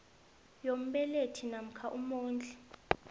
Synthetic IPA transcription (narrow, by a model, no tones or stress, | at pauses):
jom̩ɓɛletʰinam̩kʰaʔumoːnd͡ɮʱɛ